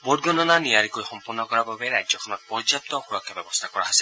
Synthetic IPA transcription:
bɔd̚ɡɔnɔnanijaɹikojxɔmpɔɹnːɔkɔɹababɛɹa̰jzɔkʰɔnɔt̚pɔɹzjap̚tɔxuɹɔkʰːjabɛbɔstʰakɔɹa̰ɦasɛ

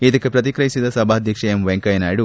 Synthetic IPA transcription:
id̪ɐkːepɾɐt̪̬ikɾɐɦisid̪ɐsɐbʱaːd̪ʱjɐkʂɐjemʋeŋkɐjɐnaːjɽu

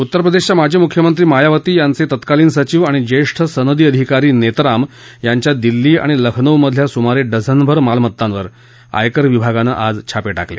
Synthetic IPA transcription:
ut̪ːəɾəpɾəd̪eɕt͡ɕjamad͡ʑʱiːmukʰjəmənt̪ɾiːmajaʋət̪iːjant͡set̪ət̪kaliːnsət͡ɕiːʋaɽ̃id͡ʑeʂʈʰəsənəd̪iːəd̪ʱikaɾiːnet̪ɾam | jaɲt͡ɕjad̪ilːiːa̰ɽ̃iləkʰnəʋməd̪ʱljasumaɾeɖəd͡zʱənbʱəɾmalmət̪ːãnʋəɾ | a̰jkəɾʋibʱaɡana̰ʔad͡zt͡ɕʰapeʈaklḛ

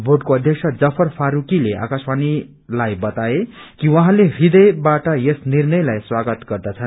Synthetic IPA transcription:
boɖkoʌd̪ʱjʌksʰʌd͡zʌpʰʌrpʰaɾukileʔa̰kasmani | lajbʌt̪aekiwaɦãlerid̪ʌjbaʈʌjesnirnʌjlajswaɡʌt̪ɡʌrd̪at͡sʰʌn

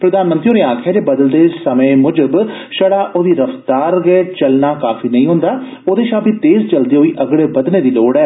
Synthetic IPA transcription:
pɾəd̪aːnmə̃nt̪ɾioːneːaːkʰɛːd͡ʒeːbəd̪əld̪eːsəmẽːmʊd͡ʒəbʃəɽaːʔoːd̪iːɾəft̪aːɾɡɛet͡ʃəlnaːkaːfiːnəĩːɦʊ̃nd̪aː | oːd̪eːʃãːbiːt̪eːst͡ʃəld̪iːɦoːiːʔəɡɽeːbəd̪neːd̪iːloːɽɛː

